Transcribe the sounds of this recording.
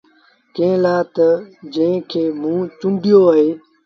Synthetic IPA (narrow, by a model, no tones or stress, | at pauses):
kẽːlaːt̪əd͡ʒə̃ɦɪ̃kʰeːmũːt͡ʃũɳɖɪjoːəɦeː